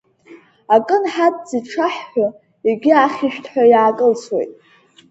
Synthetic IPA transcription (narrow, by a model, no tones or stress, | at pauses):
akʼɨnħatʼd͡ziʈ͡ʂʰaħːʷa | iɡʲiaχʲiʃᶣtʰħʷᶣajaːkʼɨlt͡sʰwḛjtʼ